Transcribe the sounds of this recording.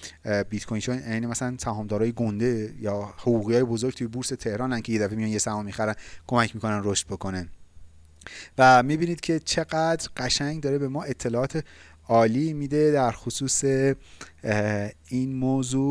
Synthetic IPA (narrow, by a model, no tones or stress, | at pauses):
bit̪kʰojnʃʰoæːnimæsælænsæhɒːmd̪ɒːɾɒːjeɡond̪e̞jɒːhoɣuːɣijɒːjebo̞zoɾɡ̚t̪ʰujebuɾse̞t̪ʰe̞hɾɒːnæncʰe̞je̞d̪æfemijɒːnje̞sæhɒmːixæɾænkʰo̞mæcʰmiːkʰo̞nænroʃt̪̚bo̞kʰo̞ne | væmibiːnid̪̚cʰe̞t͡ʃʰe̞ɡæd̪ɾɢæʃæɲɟd̪ɒːɾebe̞mɒːʔe̞t̪ʰːe̞lɒːɒːt̪ʰe | ɒːliːmiːd̪e̞d̪æɾxosuːse̞ | inmoːzu